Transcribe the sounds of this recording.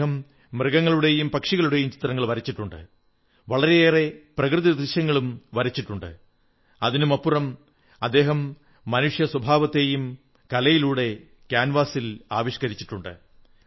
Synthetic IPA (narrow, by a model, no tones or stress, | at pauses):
ɐmː | rɨɣɐŋːɐɭuɽe̞jumpɐkʂiɣɐɭuɽe̞jumt͡ɕi̥t̪rɐŋːɐɭʋɐɾit͡ɕːiʈːuɳɖɨ̰ | ʋɐɭɐɾeeːre̞prɐkrɨðid̪riɕjɐŋːɐɭumʋɐɾit͡ɕːiʈːuɳɖɨ̰ | ɐðinumɐpːurɐm | ɐd̪ːe̞ːɦɐmː | ɐnuʂjɐswɐbʱaːʋɐt̪ːe̞jum | kɐlɐjiluːɽe̞ | kʲjaːnʋaːsila̰ːʋiɕkɐɾit͡ɕːiʈːuɳɖɨ̰